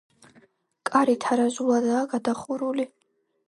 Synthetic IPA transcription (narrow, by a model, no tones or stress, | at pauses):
kʼaɾit̪ʰaɾazuladaːɡad̪aχuɾuli